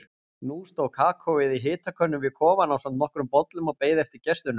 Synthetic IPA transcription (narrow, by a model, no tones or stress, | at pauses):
nuːst̪owɣkʰaːkʰowɪðiɦɪːt̪akʰœnːʏmvɪðkʰɔːvanawsamt̪nɔhkɾʏmpɔt̪lʏmɔɣpeːjðɛft̪ɪɾ̥cɛst̪ʏnʏ